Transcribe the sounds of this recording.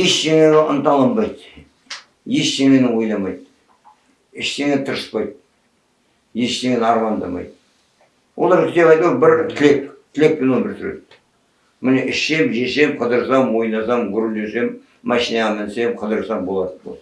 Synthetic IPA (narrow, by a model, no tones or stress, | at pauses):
jeʃʃeŋeɡeʔənt̪ɑlˠɑmbɑjt̪ | je̞ʃʃeŋenɪwo̞jnɑmɑjt̪ | ɪʃt̪e̞ŋet̪ʰəɾəspɑjt̪̚ | je̞ʃt̪eŋenɑɾmɑnd̪ɑ̰mɑ̰jt̪̚ | wolˠɑɾkʰʲɪt̪epɑjt̪wubɪɾt̪ʰɪlekt̪ʰɪle̞k̚penwonbɪɾsʏɾḛt̪ː | mɪne̞ʔɪʃe̞mʒese̞mqʰəd̪əɾsɑmwo̞jnɑsɑmɡʲʏɾld̪ese̞mː | æʃinɑʁɑmɪnse̞mqʰəd̪əɾsɑmbo̞lˠɑt̪ənbo̰